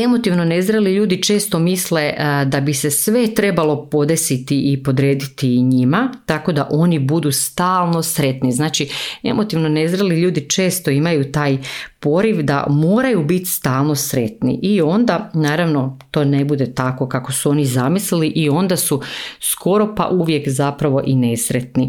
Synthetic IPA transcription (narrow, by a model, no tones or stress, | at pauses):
e̞mo̞t̪iʋno̞nezɾeliʎuːd̪it͡ʃe̞ːst̪o̞misle̞d̪abise̞sʋe̞t̪ɾe̞balo̞po̞d̪e̞sit̪iʔipo̞d̪ɾeːd̪it̪iɲimat̪ako̞d̪aʔo̞nibud̪ust̪aːlˠno̞sɾe̞t̪niznaːt͡ʃie̞̰mʔo̞t̪iʋno̞ne̞zɾeliʎuːd̪it͡ʃe̞ːst̪o̞imajut̪aːjpo̞ɾiʋd̪a̰mo̞ːɾajubit̪st̪aːlˠno̞sɾe̞t̪nḭʔio̞nd̪anaːɾaʋno̞t̪o̞ːne̞bud̪e̞t̪ako̞kako̞suo̞nizamisliliʔio̞nd̪asuskʰo̞ɾo̞pa̰ʔuʋjekzapɾaʋo̞ʔinesɾet̪ni